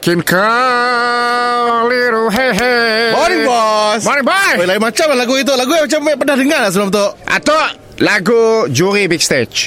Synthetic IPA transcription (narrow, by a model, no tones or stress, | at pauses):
kinka | liɾuɦeɦemɔnibɔsmɔnĩbajjlaimat͡ʃamlahlaɡuit̪̬oʔlaɡujamat͡ʃampənahdəŋaras̬əlamt̪oʔʔa̰t̪oʔ | laɡud͡ʒuɾibik̚st̪et͡ʃ